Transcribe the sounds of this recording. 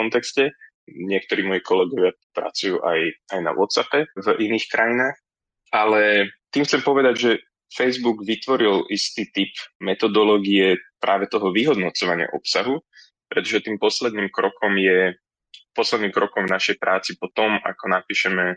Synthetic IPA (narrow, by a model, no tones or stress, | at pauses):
kɔnt̪ɛkscɛ | ɲɪɛk̚t̪ɔɾiːmɔjikɔlɛɡɔʋɪa | pɾa̰t͡sujṵːʔajajna̰ʋɔ̰t̪zapɛviniːxkɾʔajinaːx | ʔalɛt̪iːmxt͡sɛmpɔʋɛd̪aɟʒɛ | fɛjzbuɡʋit̪ʋɔɾilist̪iːt̪ipmɛt̪ɔd̪ɔlɔːɡiɛpɾʔaːʋɛt̪ɔɦɔʋiɦɔd̪nɔt͡sɔʋaɲɪa̰ʔɔpsaɦu | pɾɛt̪ɔʒɛt̪iːmpɔslɛd̪niːmkɾɔkɔmjɛ | pɔslɛd̪niːmkɾɔkɔmvnaʃɛjpɾaːt͡sipɔt̪ɔma̰kɔnapiːʃɛmɛ